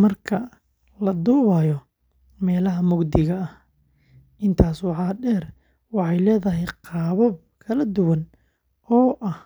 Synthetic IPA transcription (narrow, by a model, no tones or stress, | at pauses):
mɐrkʰɐ | lɐd̪uːβaːjɔ | mɛːlɐɦɐmʊɡd̪ɪɣɐɐh | ʔɪnt̪ʰaːswɑħɑːɖɛːr | wɑħɑjlɛːðɐɦɛjqɑːβɔb̚ | kʰɐlɐd̪ʊwɐn | ɔːʔɐh